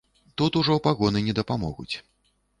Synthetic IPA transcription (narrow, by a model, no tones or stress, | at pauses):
t̪ut̪uʐɔpaɣɔnɨnʲɛd̪ɐpamɔ̰ɣṵt͡sʲ